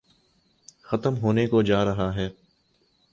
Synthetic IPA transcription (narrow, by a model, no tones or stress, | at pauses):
xɐt̪əmɦoːnekod͡ʒaːɾɐɦaɦɛː